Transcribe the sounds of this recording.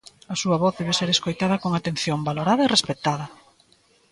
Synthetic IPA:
ɐsuɐβɔθðɛβeseɾeskojt̪aðɐkoŋat̪en̟θjombaloɾaðɐerespet̪aðɐ

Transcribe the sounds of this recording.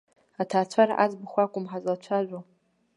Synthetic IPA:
atʰaːt͡ɕʷʰaɾa̰ʔa̰zbɨxʷakʷʼʊmħazɐt͡ɕʷʰaːʒʷo

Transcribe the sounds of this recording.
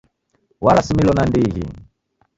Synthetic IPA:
walasimilɔnandiɣḭ

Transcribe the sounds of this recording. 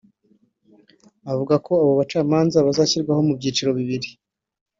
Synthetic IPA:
avuɡako̞aβo̞βat͡ʃaːmaːnzaβazaːçiɾɡwaɦo̞mubɟiːt͡ʃiɾo̞βiβiɾi

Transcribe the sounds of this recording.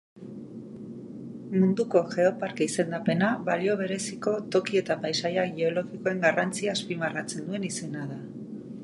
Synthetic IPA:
mund̪uko̞ʝe̞o̞paɾkeise̞nd̪ape̞naβalio̞β̞e̞ɾe̞siko̞t̪o̞kie̞t̪apajsajaɣieo̞lo̞ɣiko̞e̞ŋɡarant͡siaːspimarat͡se̞nd̪ue̞nise̞naða

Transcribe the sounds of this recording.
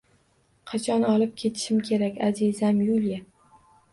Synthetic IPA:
qʰɑt͡ʃʰɒnɒlˠɪp̚kʲʰe̞t̪ʰɪ̥ʃɪmkʲʰe̞ɾakʲazizamjulija

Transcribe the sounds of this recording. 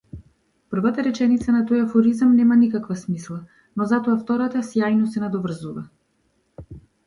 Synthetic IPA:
pr̩vat̪aɾɛt͡ʃɛnit̪sanat̪ɔjafɔɾizamnɛmanikakvasmislˠa | nɔzat̪ɔaft̪ɔɾat̪asjajnɔsɛnad̪ɔvr̩zuva

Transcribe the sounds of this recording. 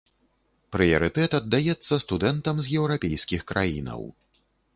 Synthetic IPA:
pɾɨjɐ̰ɾɨt̪ɛt̪ɐd̪ːajɛt̪sːɐst̪ud̪ɛnt̪ɐmzʲjɛwɾapʲejskʲixkɾʔa̰jḭnɐ̰w

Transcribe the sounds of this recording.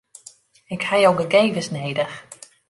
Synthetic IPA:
ɪkhajowɡəɡejvəsnejdəx

